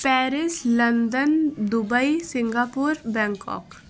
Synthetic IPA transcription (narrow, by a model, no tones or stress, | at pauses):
pɛːɾɪslɐnd̪ənd̪ʊbəisɪ̃ŋɡaːpuɾbɛ̃ːŋkɔ̰ːk